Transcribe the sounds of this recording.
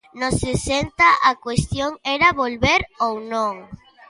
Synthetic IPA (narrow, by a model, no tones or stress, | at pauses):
nosesent̪aʔakwest̪joŋɛɾaβolβeɾownõŋ